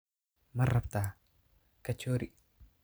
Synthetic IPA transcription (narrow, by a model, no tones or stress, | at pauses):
mɐrːɐbt̪aː | kɐt͡ʃːoːɾi